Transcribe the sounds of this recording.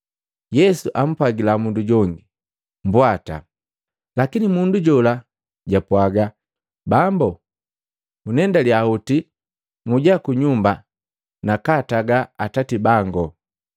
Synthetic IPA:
jɛsuʔam̩pwaɡilamunduɟɔŋɡi | mbwata̰ | lakinimunduɟɔla | ɟapwaɡa | bambɔ | unɛndaljauti | muɟakuɲumba | nakataɡaːtatibaŋɡɔ

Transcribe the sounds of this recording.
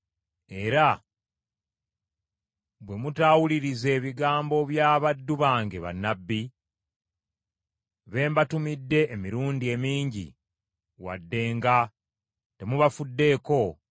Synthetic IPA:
e̞ɾa | βwe̞mutaːwuliɾize̞ːβiɡaːmbo̞βjaːβadːuβaːŋɡe̞βa̰nːabːi | βe̞ːmbatumidːe̞ːmiɾuːndie̞miːɲɟḭ | wa̰dːe̞ːŋɡa | te̞muβafudːe̞ːko̞

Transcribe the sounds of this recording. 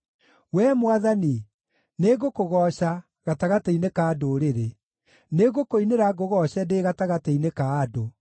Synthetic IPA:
wɛːmwaðani | neɣokoɣɔɕa | ɣataɣatɛinekaːdoɾeɾe | neɣokoineɾaɡoɣɔɕɛdeɣataɣatɛinekaːdo

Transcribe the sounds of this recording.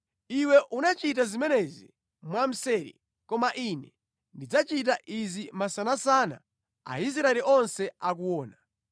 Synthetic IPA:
iwɛʔunat͡ʃit̬azimɛnɛzḭ | mwam̩sɛɾḭ | kɔmaʔinɛ | ndid͡zat͡ʃit̬aʔizimasanasana̰ | a̰is̬ɾaɛliʔɔnsɛak̬uwɔːna

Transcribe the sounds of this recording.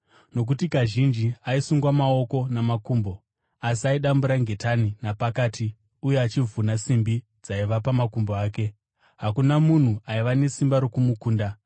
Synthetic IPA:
no̞k̬utikaʒind͡ʒiaisuŋɡwamao̞ko̞namakuːmbo̞ | asiaiɗambuɾaŋɡe̞taninapakaːtʰi | ujeat͡ʃivunasimbi | d͡zaiʋapamakumboaːke̞ | ɦakunamun̤uaiʋane̞simbaɾo̞kumukuːnda

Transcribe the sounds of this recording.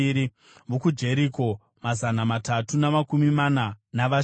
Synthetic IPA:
ɾi | ʋokud͡ʒe̞ɾiko̞ | mazanamatatunamakumimananaʋa

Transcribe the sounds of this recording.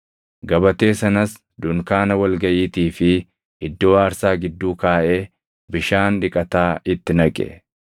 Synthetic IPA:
ɡɐbɐt̪e̞ːsɐnɐs | d̪ʊŋkaːnɐwɐlɡɐʔiːt̪iːfɪ | ɪd̪ːo̞ːaːɾsaːɡɪd̪ːuːkaːʔe̞ː | bɪʃaːnᶑ̪ɪkʼɐt̪aːɪt̪ːɪnɐkʼɛ̰

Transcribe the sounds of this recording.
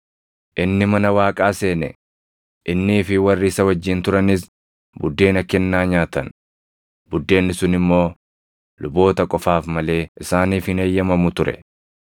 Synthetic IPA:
ʔɪnːɪmɐnɐwaːkʼaːse̞ːnɛ̰ | ʔɪnːiːfɪwɐrːiːsɐwɐd͡ʒːɪnt̪ʊɾɐnɪs | bʊd̪ːe̞ːnɐkːɛnːaːɲaːt̪ɐn | bʊd̪ːe̞ːnːɪsʊnɪmːo̞ː | lʊbo̞ːt̪ɐkʼɔfaːfmɐle̞ːʔɪsaːniːfɪneːjːɐmɐmʊt̪ʊɾɛ̰

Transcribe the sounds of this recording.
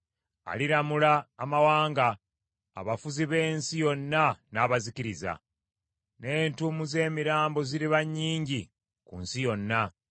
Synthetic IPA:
a̰liɾamulaːmawaːŋɡa̰ː | βafuziβe̞ːnsijo̞nːanaːβazikiɾiza̰ | ne̞ːntumuze̞ːmiɾaːmbo̞ziɾiβaɲːiːɲɟi | kunsijo̞nːa

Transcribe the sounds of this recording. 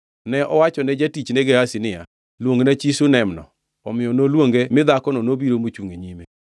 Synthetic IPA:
nɛʔɔwat͡ʃɔnɛd͡ʒatit͡ʃnɛɡɛhasɪnɪja̰ | lwoŋɡenat͡ʃisunɛmnɔ̰ | ɔmɪjɔnolwoŋɡemɪd̪akɔnɔnobiɾomot͡ʃuŋɡeɲime

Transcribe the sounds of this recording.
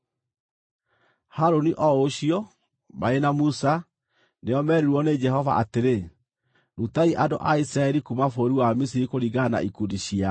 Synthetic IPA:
haɾoniʔɔoɕiɔ | maenamusa | neɔmɛɾiɾuwɔned͡ʒɛhɔva̰ʔateɾe | ɾutaiʔado̰ʔaisɾaɛɾikumafoɾiwamis̬iɾikoɾiɡana̰ikudiɕia

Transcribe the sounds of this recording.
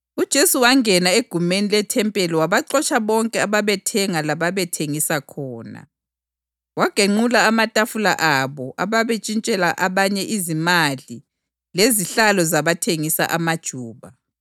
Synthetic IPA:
ud̥ʒ̥ʱesuwaŋɛnaeɡ̥ʱumenilɛtʰɛmpʼɛliwaβaǃɔt͡ʃʰʼaβɔŋkʼɛaβaβɛtʰɛŋalaβaβɛtʰeŋisakʰɔːna̰ | waɡ̥ʱeŋ͡ǃulaːmatʼafula̰ʔaβɔʔaβaβet͡ʃʼint͡ʃʼɛlaʔaβaɲɛʔizimali | leziɬalɔzaβatʰeŋisa̰ʔamad̥ʒ̥ʱuːβa

